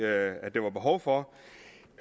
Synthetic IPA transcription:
ædd̥eʋɑ̈b̥e̝ɦɒʊfɒ̽

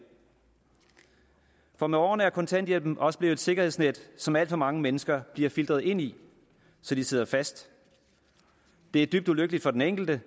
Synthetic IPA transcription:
fɒ̽meɒːnəæɐkʰɒ̽nt͡sʰæn̰d̥jelb̥m̩ʔɒ̽səb̥le̝ːʊedse̝ɡ̥ɐhe̝ðˠsned̥sɒ̽mæl̰d̥fɒ̽mɑ̈ŋəmenəsɡ̥ɐb̥liɐfild̥ʁɐð̞̩ˠe̝n̰i | sɒ̽d̥ise̝ðˠɐfæsd̥ | d̥e̝æɐd̥yb̥d̥uløɡ̥əlid̥fɒ̽deneŋ̰ɡ̥l̩d̥ə

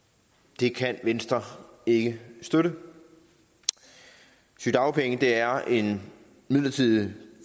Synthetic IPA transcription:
d̥e̝kʰænʋensd̥ʁɐe̝ɡ̥əsd̥øɾə | syd̥ɑ̈ʊpʰeŋəd̥e̝æɐe̝n | mið̰ˠlɐt͡sʰið̰ˠ

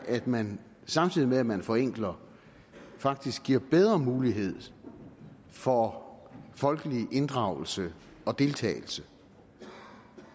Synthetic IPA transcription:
ʔæd̥mæn | sɑ̈mt͡sʰið̰ˠimeæmænfɒ̽eŋ̰ɡ̥lɐ | fɑ̈ɡ̥̚d̥isɡ̥ɡiɐ̰b̥eð̞ˠʁɐmuːliɦe̝ð̞̰ˠ | fɒ | fɒ̽lɡ̥əliʔe̝nd̥ʁɑ̈ʊl̩sə | ɒ̽d̥e̝lt͡sʰɛ̰ːɪl̩sə

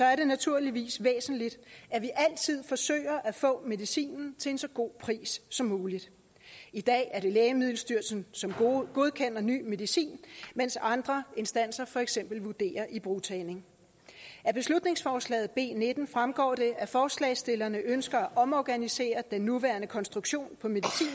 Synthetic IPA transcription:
sɒ̽æɐɾe̝næt͡sʰuɐ̰liʋḭːsʋḛːsn̩lid̥æʋiʔæl̰t͡sʰið̞̰ˠfɒ̽sø̰ːɪ̰ɐʔæfɔ̰̽ːme̝ðˠisḭːnn̩t͡sʰe̝e̝nsɒ̽ɡ̥o̝̰ːpʰʁḭːsːɒ̽mːuːlid̥ | id̥ɛ̰ːæɐɾ̥e̝lɛːɪəmið̞̰ˠl̩sd̥yɐ̰sn̩sɒ̽mɡ̥o̝ðˠkʰen̰ɐny̰ːme̝ð̞ˠisḭːnmen̰sɑ̈nd̥ʁɐe̝nsd̥æn̰sɐfɒ̽eɡ̥sem̰b̥l̩ʋud̥e̝̰ːɐʔib̥ʁut͡sʰɛːne̝ŋ | ʔæb̥e̝slud̥ne̝ŋsfɒːslɛ̰ːð̩ˠb̥e̝̰ːned̥n̩fʁamɡ̥ɒ̰ːd̥e̝ʔæfɒːslɛːsd̥e̝lɐnəʔønsɡ̥ɐæʔɒ̽mɒːɡ̥ænise̝̰ːɐd̥enːuʋæɐnəkʰɒ̽nsd̥ʁuɡ̥ɕo̝̰ːnpʰɒ̽me̝ðˠisḭːn

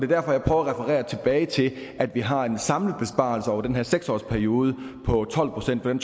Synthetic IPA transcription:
d̥e̝ɐd̥æɐ̰fɒ̽jɑ̈ɪpʰʁœʊɐʁɛfəʁɛ̰ːɐt͡sʰe̝b̥ɛːɪt͡sʰe̝læd̥ʋiɦɑ̈e̝nsɑ̈mləð̩ˠb̥e̝sb̥ɑ̰̈lsəɒʊ̰ɐd̥enɦæɐ̰seɡ̥sɒ̰ːspʰæɐio̝ːð̞ˠəpʰɒ̽t͡sʰɒ̽l̰pʰʁo̝̥sen̰d̥fɒ̽d̥ent͡sʰ

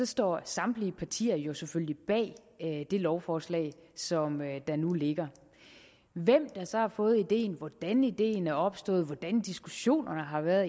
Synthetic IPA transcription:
sɒ̽sd̥ɒ̰ːsɑ̈md̥liəpʰɑ̈t͡sʰḭːɐjo̝seføllib̥ɛ̰ː | d̥e̝lɒʊfɒːslɛ̰ɪsɒ̽md̥ɑ̈nule̝ɡ̥ɐ | ʋem̰d̥ɑ̈sɒ̽hɑ̈fɔ̽ːð̞̩ˠid̥e̝̰ːn̩ʋɒd̥ænid̥e̝̰ːnæɐɒ̽b̥sd̥ɔ̰̽ːð̞̩ˠʋɒd̥ænd̥isɡ̥uɕo̝̰ːnɐnəɦɑ̈ʋæɐðˠ

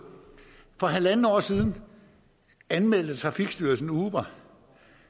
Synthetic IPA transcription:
fɒ̽ɦælænn̩ɒ̰ːsiːð̞ˠn̩ | ænmel̰d̥ð̩ət͡sʰʁɑ̈fiɡ̥sd̥yɐsn̩uːʋɐ

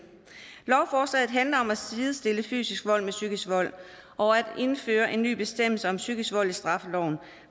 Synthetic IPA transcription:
lɒʊfɒːslɛ̰ːð̩ˠɦænlɐɒ̽mæsiːðˠsd̥e̝ləfy̰ːsisɡ̥ʋɒ̽l̰mesyɡ̥əsʋɒ̽l̰ | ʔɒ̽æd̥e̝nfø̰ːɐʔe̝nːy̰ːb̥e̝sd̥em̰l̩səɒ̽msyɡ̥əsʋɒ̽l̰isd̥ʁɑ̈fəlɒʊ̰n̩

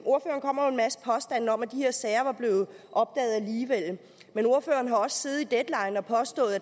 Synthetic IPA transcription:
ʔo̝ɐfø̰ːɐnkʰɒ̽m̰ɐjoe̝nmæsə̥pʰɒ̽sd̥æn̰ɒ̽mæd̥ihe̝ɐ̰sɛɪɐʋɑ̈b̥le̝ːʊð̩ˠʔɒ̽b̥̚d̥ɛ̰ːð̩ˠæliːʋel̰ | meno̝ɐfø̰ːɐn̩ɦɑ̈ɒ̽sə̥se̝ð̞̩ˠid̥ed̥lɑ̈ɪnɒ̽pʰɒ̽sd̥ɔ̰̽ːð̩ˠ

